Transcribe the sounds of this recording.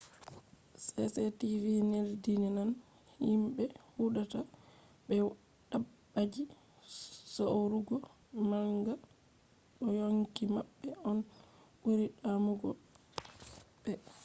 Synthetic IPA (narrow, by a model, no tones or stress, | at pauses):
sɛsɛtivineldinɛnan | himɓɛhuɗata | ɓɛ | ɗ̥abːad͡ʒi | sowɾuɡɔ | maŋŋɡa | ɗɔjoŋkimaɓːɛɔn | ʔuɾiɗamuɡɔ | bɛ